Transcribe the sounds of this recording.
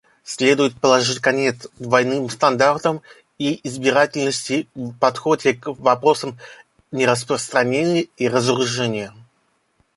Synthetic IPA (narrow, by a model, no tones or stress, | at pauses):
sʲlʲe̞d̪ʊjɪt̪̚pəlˠɐʐɨtʲkɐnʲet̪sd̪vɐjnɨmst̪ɐnd̪art̪əm | iɪzbʲɪɾatʲɪlʲnəsʲtʲɪvpɐt̪xodʲɪkvɐpɾo̞səm | nʲɪɾəspɾəst̪ɾɐnʲenʲɪjəiɾəzɾʊʐɛnʲɪjə